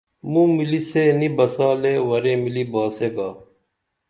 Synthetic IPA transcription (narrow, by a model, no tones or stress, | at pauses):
mũmiliseːnibɐsaːlewɐɾeːmilibaːseːɡaː